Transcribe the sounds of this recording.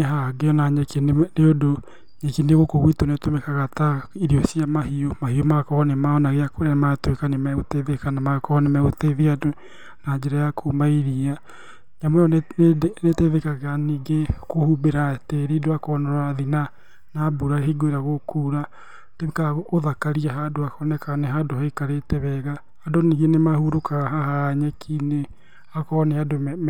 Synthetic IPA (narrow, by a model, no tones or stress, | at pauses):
eɦaɡeɔnaɲɛkeneodo | ɲɛkineɣokoɣwitonetomɛkaɣataiɾiɔsiamahiɔmahiɔmakɔɔnemaɔnaɣeakoɾeamatwekanemɛɣoteðekanamakɔɔnemɛɣoteðiado | naɲd͡ʑɛɾajakʰomaiɾia | ɲamoɔ | neteðekaɣaniːɡekohubeɾateɾidoakɔnɔɾaðina | nabuɾaɦiɡoeɾaɣokuːɾa | tekaɣoðakaɾiaɦadoakɔnɛkanɛɦadohaikaɾetɛβɛɣaː | doniɣenemahuɾokaɣaɦahaɲɛkʰine | akɔnɛadomɛ